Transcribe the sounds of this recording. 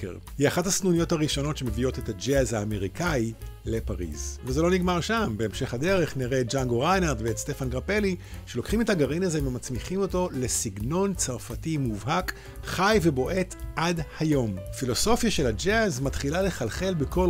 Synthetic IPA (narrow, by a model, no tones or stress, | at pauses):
jiaχathasnunijo̞thaʁiʃo̞no̞tʃemevio̞te̞tad͡ʒeazhaːme̞ʁikai | le̞paʁḭzveze̞lo̞niɡmaʁʃambe̞ːmʃe̞χhade̞ʁe̞χniʁet̚d͡ʒaŋɡoʁajnaʁtveːtst̪e̞fanɡʁape̞liʃe̞lo̞kχime̞thaɡaʁinazevemat͡smiχimo̞to̞le̞siɡno̞nt͡saʁfatimuvɦak | χajve̞bo̞ʔe̞tʔadhajo̞mfilo̞so̞fjaʃe̞lad͡ʒezmatχilale̞χalχe̞lbeko̞l